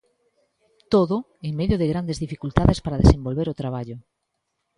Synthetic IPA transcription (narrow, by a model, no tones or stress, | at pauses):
t̪oðʊ | eŋmeðjoðeɣɾand̪ezðifikult̪aðespaɾaðesembolβeɾot̪ɾaβ̞aʎʊ